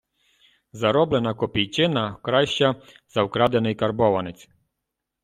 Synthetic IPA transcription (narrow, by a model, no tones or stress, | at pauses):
zɐɾɔblˠenɐkɔpʲijt͡ʃɪnɐkɾɑʃt͡ʃɐ | z̥ɐwkɾɑd̪enɪjkɐrbɔʋɐnɪt͡sʲ